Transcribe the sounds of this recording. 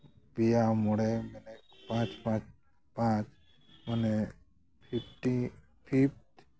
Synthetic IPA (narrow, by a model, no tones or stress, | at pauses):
bijamuɽemenekpãːt͡ʃpãt͡ʃ | pãt͡ʃ | məne | pʰipʈi | pʰip̚ʈ